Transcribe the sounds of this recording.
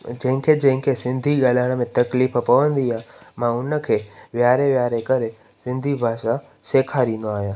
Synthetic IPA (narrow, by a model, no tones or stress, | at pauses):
d͡ʑɐ̃ɦɪ̃kʰed͡ʑɐ̃ɦɪ̃ŋkʰesɪ̃nd̪ʱiɠaːlaːɽ̃mẽt̪ɐkliːfpɐʋə̃nd̪iamãʊnə̆kʰeːʋjaːɾeʋjaːɾekɐɾe | sɪ̃nd̪ʱibʱaːʃa | seːkʰaɾĩːnd̪oaːɦijãː